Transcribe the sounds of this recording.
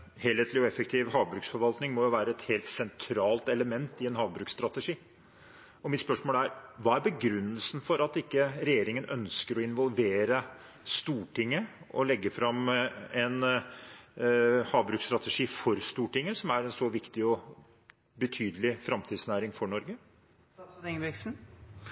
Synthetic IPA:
heːlheːt̪lɪɔɛfɛkt̪ʰɪːʋhɑːʋbɾʉːksfɔɾʋɑlt̪nɪŋmɔjʊʋæːɾəɛt̪heːlt̪sɛnt̪ʰɾɑːlt̪ɛləmɛnt̪ɪɛnhɑːʋbɾʉːkst̪ɾɑt̪əʂiː | ɔmɪt̪spœʂmoːlæɾʋɑːæɾbəɡɾʉnːəlsn̩fɔɾɑt̪ɪkːəɾɛjeːɾɪŋənœ̰nskəɾɔɪnʋɔlˠʋeːɾə | st̪uːʈɪŋːə | ɔ̰lɛɡːəfɾɑmɛn | hɑːʋbɾʉːkst̪ɾɑt̪əʂiːfɔɾst̪uːʈɪŋːəsɔmæɾɛnsɔʋɪkt̪ɪɔ | bət̪ʰyːd̪əlɪfɾɑmt̪ʰiːd̪snæːɾɪŋfɔɳɔɾɡə | ŋbksn̩

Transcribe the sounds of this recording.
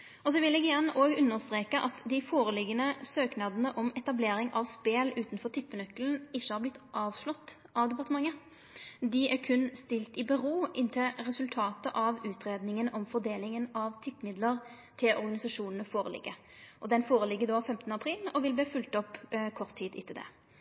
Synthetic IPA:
ɔs̬ɔʋɪlɛːɡɪjɛnəʔoːɡʉnːəɾst̪ɾeːkəʔɑt̪d̪ɪfoːɾəlɪɡːənəsøːknɑd̪nəʔɔmɛt̪ɑbleːɾɪŋʔɑʋspeːlʉːt̪nfɔɾt̪ʰɪpːənœkːln̩ɪʃːəhɑːɾblɪt̪ːʔɑːʋʂlɔt̪ː | ʔɑʋd̪ɛpɑʁt̪əmɑŋːə | d̪ɪækʰʉnst̪ɪlt̪ɪbəʁoːɪnt̪ʰɪlɾɛsʉlt̪ʰɑːt̪əʔɑʋʉːt̪ʁeːd̪nɪŋənɔmfɔʁd̪eːlɪŋənɑʋt̪ʰɪpːmɪd̪ləʁ | t̪ʰɪlʔɔɾɡɑnɪsɑʂuːnənəfoːɾə̰lɪ̰ɡːə | ʔɔd̪ɛnfoːɾəlɪɡːəd̪oːfɛmt̪ənəɑpʰʁiːlɔʋɪlb̪iːfʉlt̪ɔpːkʰɔʁt̪ʰːiːt̪ɪ̰t̪ʰːɪld̪ɛ̰

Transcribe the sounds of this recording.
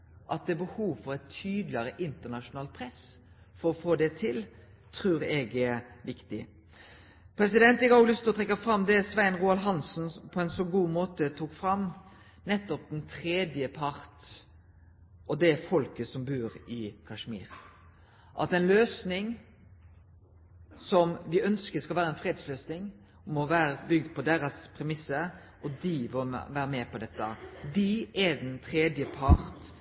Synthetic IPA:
ʔɑt̪̚d̪ɛbəhuːʋfɔɾɛt̪ʰyːd̪lɪəɾəʔɪnt̪əʁnɑʃʊnɑːl̚pʰɾɛs | fɔɾɔfoːd̪ɛt̪ʰɪl | t̪ʰɾʉːɾɛɡɛɾʋɪkt̪ɪ | pʰɾɛsɪd̪ɛnt̪ɛkɑoɡlʏst̪lɔt̪ʰʁɛkːɑfɾɑmd̪ɛsʋæɪnʁuːɑlɦɑnsnpʰɔɛnsɔɡuːmoːt̪ət̪ʰuːkfɾɑm | nɛt̪ːɔp̚d̪ɛnt̪ʰɾeːd̪jəpʰɑɾt̪ | ʔɔd̪ɛfɔlkəsɔmbʉːɾɪkʰɑʂmḭːɾ | ʔɑ̰t̪ɛnløːsnɪŋ | sɔmʋɪœnskəskɑlʋæːɾəɛnfɾeːd̪sløːsnɪŋ | mɔʋæːɾəbʏɡd̪pʰɔd̪eːɾəspʰɾɛmɪsːəɾ | ʔɔd̪iʋɔʋæːɾəmɛpɔd̪ɛt̪ːəd̪iɛd̪ɛnt̪ʰɾeːd̪jəpʰɑɾt̪

